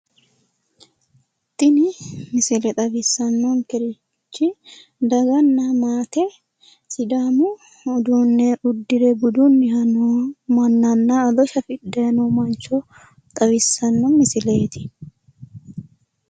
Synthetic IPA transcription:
t̪ːɪnɪmɪsɪlɛt̪ʼɐbɪsːɐnːoŋkɛɾɪ | t͡ʃːɪd̪ɐɡɐnːɐmaːt̪ɛ | sɪd̪aːmʊː | d̪unːɛʔʊd̪ːɪɾɛbʊd̪unːɪhɐnomɐnːɐnːaɐd̪ɔʃɐfɪd̪ːɐjɐnomɐnt͡ʃːɔ | t̪ʼɐwɪsːɐnːɔmɪsɪleːt̪ɪ̥

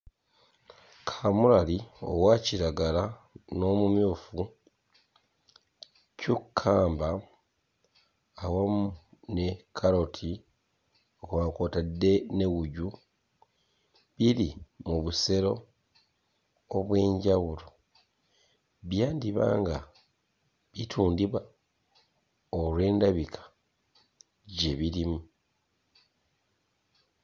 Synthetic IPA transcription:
kʰamuɾalio̞̰waciɾaɡala | no̞ːmumjuːfu | cukʰːaːmba | wamune̞kʰaɾo̞tʰi | okuakoːtadːe̞ne̞ɣuɟu | βilimuβuse̞ɾo̞ | βwe̞ːɲɟawulo | βjaːndiβa̰ːŋɡa | βitʰuːndiβwa | olwe̞ːndaβikʰḁ | ɟe̞βilimu

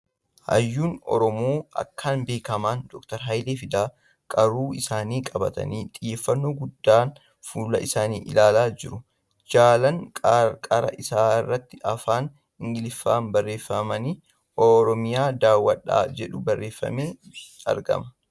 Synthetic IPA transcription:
hɐ̰jːuːnɔ̰ɾɔmoːɐ̰kʰːaːnbe̞ːkɐmaːnd̪ɔkt̪ɐɾɦɐjleːfɪd̪aː | kʼɐɾuːɪsaːniːkʼɐbɐt̪ɐ̰niːt̪ʼɪjːeːfːɐnːoːɡʊd̪ːaːn | fuːlɐ̰ʔɪsaːniːʔɪ̰laːlaːd͡ʒɪɾʊ | d͡ʒaːlɐŋkʼaːɾkʼaɾɐ̰ʔɪsaːɪrːɐt̪ːɪʔɐfaːn | ɪŋɡɪlɪfːaːnbɐrːe̞ːfːɐmɐniː | ɔɾɔmɪjaːd̪aːwːɐᶑːa̰ːd͡ʒɛᶑʊbɐrːe̞ːfːɐ̰meːɐ̰ɾɡɐ̰mɐ

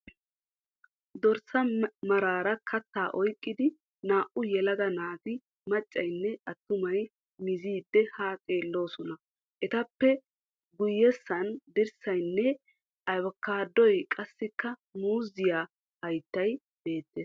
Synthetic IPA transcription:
d̪ɔɾsɐmɐɾaːɾɐkʰɐt̪ːaːʔɔjkʼːɪd̪ɪ | naːʔʊjɛlɐɡ̪ɐnaːɡ̪ɪ | mɐt͡ʃʼːɐjnːɛɐt̪ːʊmɐj | mɪziːd̪ːɛhaːtʼe̞ːlːo̞ːsɔnɐ | ʔɛt̪ɐpːɛ | ɡʊjːɛsːɐnd̪ɪɾsɐjnːɛ | ɐjwɐkːaːd̪ːɔjkʼɐsːɪkːɐmuːzɪjaː | hɐjt̪ːɐj | be̞ːt̪ːes

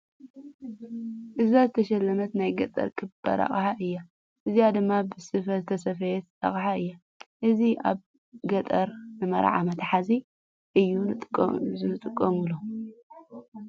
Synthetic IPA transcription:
ʔɨzazɨt̪ʰɐʃɐlːɐmɐt̪najɡɐt̪ʼɐ̰ɾkʰɨbɐ̰ɾa̰χʼħaʔɨjːa | ʔɨzijad̪ɨmːabɨsɨfɐlt̪ʰɐs̬ɐfɐjɛt̪a̰χʼħaɨjːa | ʔɨziʔa̰β | ɡɐt̪ʼɐɾnɨmɐ̰ɾ̰ʕa̰mɐt̪ʰħazi | ʔɨjːunt̪ʼzinɨt̪ʼɨkʼːɐmulo

